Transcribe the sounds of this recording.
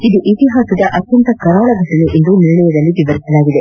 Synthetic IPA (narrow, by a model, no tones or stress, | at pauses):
id̪uʔit̪iɦaːsɐd̪ɐʔɐt̪jɐnt̪ɐkɐɾaːɭɐɡɐsɐnuʔind̪uniɾɳɛjɐd̪ɐlːiʋiʋɐɾisɐlaːɡid̪e